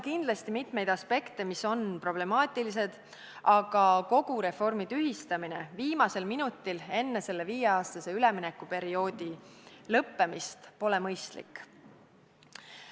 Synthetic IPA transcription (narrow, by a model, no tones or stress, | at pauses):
kind̪lɑst̪imit̪me̞jd̪ɑspe̞kt̪e̞miso̞npro̞b̥le̞mɑːt̪ʲːˑilise̞d̪̥ | ʔɑɡ̥ɑko̞ɡ̥uɾe̞fo̞rmid̪̥yɦist̪ɑmine̞viːmɑse̞lminut̪ːile̞nːe̞se̞lːe̞viːjeɑːst̪ɑse̞yle̞minɛkːupe̞ɾio̞ːd̪ilɤpːe̞mist̪po̞le̞mɤjst̪lḭkːˑ